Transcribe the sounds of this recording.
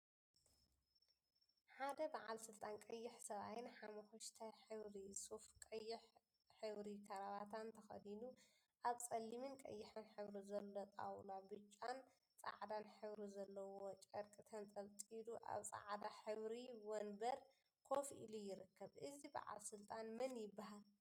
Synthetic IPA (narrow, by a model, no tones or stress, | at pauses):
ħad̪ɐbaʕalsɨlt̪ʼankʼɐjːɪħsɐβajɪnħamɐxoʃt̪ʰajħɨβɾisufkʼɐjːɪħ | ħɨβɾikʰɐɾaβat̪ʰant̪ʰɐxɐ̰d̪inu | ʔaβt͡sʼɐlːimɨnkʼɐ̰jːɪħɨnħɨβɾizɐlːot̪ʼa̰wlabɨt͡ʃʼːan | t͡sʼa̰ʕd̪anħɨβɾizɐlːɐwot͡ʃʼɐɾkʼɨt̪ʰɐnt͡sʼɐlt͡s̪ʼid̪uʔa̰βt͡sʼa̰ʕd̪aħɨβɾiwonbɐɾ | kʰofʔḭlujɪɾɨkːɐβʔɨziba̰ʕa̰lsɨlt̪ʼanmɐnjɪbːahal